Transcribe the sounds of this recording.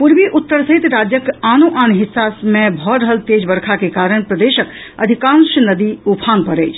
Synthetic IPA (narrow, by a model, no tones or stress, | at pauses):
puɾbiʔut̪ːəɾsəɦit̪ɾad͡ʒjəkanoʔanɦisːasmebʱɔɾəɦəlt̪ed͡ʒbəɾkʰakekaɾəɳpɾəd̪esək | əd̪ʱikansənəd̪iupʰanpəɾəjt͡ʃʰ